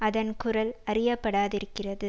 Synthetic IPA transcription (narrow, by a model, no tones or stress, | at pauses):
ɐðɐnkʊrɐlɐrɪjɐpːɐɽaːðɪɾɯkːɪrɐðɯ